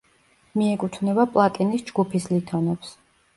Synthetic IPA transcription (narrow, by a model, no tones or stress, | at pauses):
miɛkʼut̪ʰvnɛbapʼlˠat̪ʼinisd͡ʒɡupʰislit̪ʰɔnɛps